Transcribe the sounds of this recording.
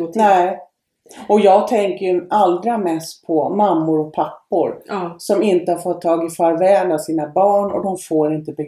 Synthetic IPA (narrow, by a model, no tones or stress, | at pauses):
nɛ | ɔjɑːɡ̚t̪ʰɛŋkəjɵʔald̪ɾamɛst̪̚pʰɔmamːʊɾɔk̚pʰapːʊɾsɔmɪnt̪əhaɾfɔt̪ʰːɑːɡɪfaɾvɛːlasiːnabɑːɳɔ̰d̪ɔmfoːɾɪnt̪əbɛ